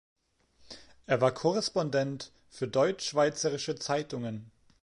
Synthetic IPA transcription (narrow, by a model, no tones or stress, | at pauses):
ʔeːɐvaːɐkʰɔʁɛspɔndɛnt | fyːɐdɔʏt͡ʃʃv̥aɪt͡səʁɪʃət͡saɪtʊŋən